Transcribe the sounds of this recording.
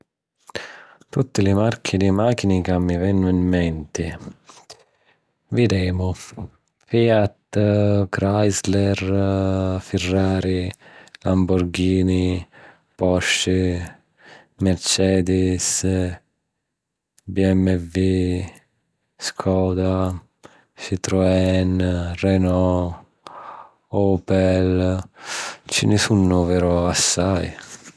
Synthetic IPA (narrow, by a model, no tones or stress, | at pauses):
t̪ut̪ːɪlɪmaɾkʰid̪imaːkinikamːivɛnːʊimːɛnt̪ɪ | vid̪ɛːmʊ | fiːat̪kɾajzlɛɾ | firːaːɾilambuɾɡiːni | pɔʃːi | mɛɾt͡ʃɛːd̪is | biɛmːɛvi | skʰɔːd̪a | ʃit̪ɾoɛnrɛnɔ | ɔːpɛl | t͡ʃinɪsunːʊvɛɾoasːaj